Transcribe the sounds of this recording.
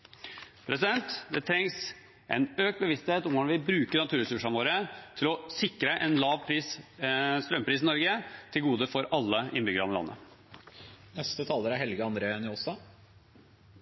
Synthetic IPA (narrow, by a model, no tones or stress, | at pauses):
pʰɾʔɛsɪd̪ɛnt̪d̪ɛt̪ʰɾɛŋs | ʔɛ̰nøːk̚t̪̚bəʋɪst̪heːt̪ɔmnɑnʋɪbɾʉːkəɳɑt̪ʰʉːɾɛsʉʂɑnʋoːɾət̪ʰɪlɔsɪkɾəʔɛnlɑːʋpʰɾiːs | st̪ɾœmpʰɾiːsnɪnɔɾɡət̪ʰɪlɡuːd̪əfɔɾɑlːəɪnbʏɡəɾɑnəlɑ̰nːə̰ | nɛst̪ət̪ʰɑːləɾæɾhɛlɡəɑnd̪ɾeːɛnɪɔsɑ